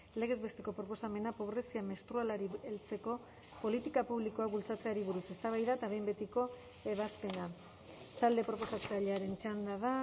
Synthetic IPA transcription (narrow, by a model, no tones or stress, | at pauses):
le̞ɣ̞e̞zβe̞st̪e̞ko̞pɾopo̞same̞napo̞β̞ɾe̞siame̞st̪ɾualaɾielt͡se̞ko̞ | po̞lit̪ikapuβliko̞akβult͡sat͡se̞aɾiβ̞uɾuse̞st̪aβ̞ajðaet̪aβe̞jmbe̞t̪iko̞ | e̞β̞aspe̞na | t̪ald̪e̞pɾo̞po̞sat͡saʎeaɾe̞nt͡ʃand̪aða